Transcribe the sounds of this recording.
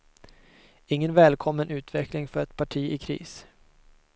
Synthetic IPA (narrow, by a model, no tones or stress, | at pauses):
ɪŋːənvɛːlkʰɔmːənʉ̟ːt̪vɛklɪŋfœɾɛt̪pʰaʈʰiːʔɪkʰɾḭːs